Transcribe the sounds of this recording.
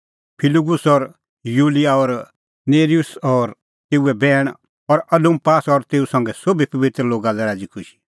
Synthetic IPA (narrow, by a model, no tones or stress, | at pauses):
pʰɪlɪɡʊsɔɾ | juːlijaɔɾ | neːɾijʊsɔɾ | t̪eːuɛbɛːɽ̃ | ɔɾɐdũmpaːsɔɾt̪eːusɐ̃ŋɡɛsobipɐʋɪt̪ɾloːɡalɛɾaːd͡ʒikʰʊʃi̥